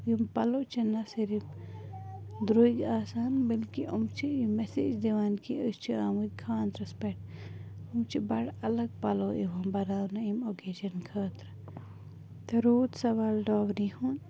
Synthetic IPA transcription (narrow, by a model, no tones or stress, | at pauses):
impɐlot͡ʃʰɐnɐsiɾip | d̪ɾoːiɡaːsaːnbəlkiumt͡ʃʰimesḭːd͡ʒd̪eʋaːnkiəst͡ʃʰiaːmukʰaːnt̪ɾɐspeʈ̚umt͡ʃʰibɐɽɐlɐɡ̚pɐloḛʋɐmbɐɾaːwnɐimoːkeːd͡ʒɐnkʰəːt̪ɾ | t̪ɐɾoːd̪sɐʋaːlɖɔːwɾihun